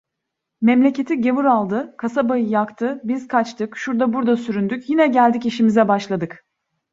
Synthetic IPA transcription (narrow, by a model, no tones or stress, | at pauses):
mɛmlʲe̞ce̞t̪ʰiɟe̞vuɾalˠd̪ɯkʰasabajɯjakt̪ʰɯbizkʰat͡ʃt̪ʰɯkʃuɾd̪abuɾd̪asyɾynd̪ycjinɛɟælʲd̪iciʃimizɛbaʃlˠad̪ɯk